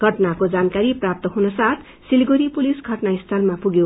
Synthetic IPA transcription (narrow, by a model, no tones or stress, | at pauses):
ɡʱʌʈnakod͡zankaɾiprap̚t̪ʌɦunʌsat̪ʰ | silɡoɾipulisɡʱʌʈnaist̪ʰʌlmapuɡjo